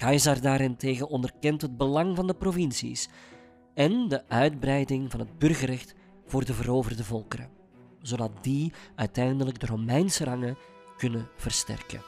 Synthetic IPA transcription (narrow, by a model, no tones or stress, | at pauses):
kɑjzardaːɾɪnteːɣənɔndərkɛntɦəd̚bəlɑŋvɑndəprovɪnsḭs | ɛndəʔœɥdbrɛjdɪŋvɑnɦəd̚bɵrɣərɛxt | v̥ʊːrdəvəɾoːvərdəvɔlˠkəɾə̰ | zodɑt̚diœɥtɛjndələɡdəromɛjnsərɑŋə | kɵnəv̥ərstɛ̰rkə̰